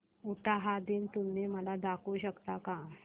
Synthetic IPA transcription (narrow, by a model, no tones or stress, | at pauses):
uʈaɦad̪iːnt̪umneməlad̪akuːɕəkt̪aka